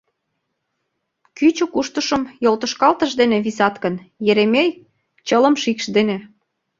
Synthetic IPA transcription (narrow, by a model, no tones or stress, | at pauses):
kyt͡ɕokuʃt̪əʃəmjolt̪ə̆ʃkɑlt̪əʃd̪eneβisɑt̪kənjeɾemej | t͡ɕələmʃikʃd̪ene